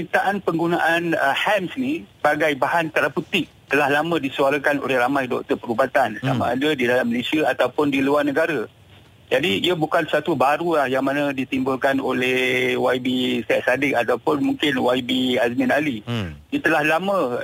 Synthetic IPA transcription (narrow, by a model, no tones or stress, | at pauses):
mit̪aʔanpəŋɡunaʔanəhɛmsniəbaɡajbaɦant̪aɾaput̪ɪʔ̚ | t̪əlahlamə̃disuaɾakano̰lɛhramajdɔ̰k̚t̪əpəɾubat̪ansa̰mã̰adədidalamːəlesiaat̪awpʊndiluarnəɡaɾa | d͡ʒadiiəbukansat̪ubaɾulahjaŋmanə̃dit̪imbʊlkanolehwajbisɛʔ̪̚sadɪk̚at̪awpʊnmũŋkɪnwajbiasmĩnalidət̪əlahlamə̃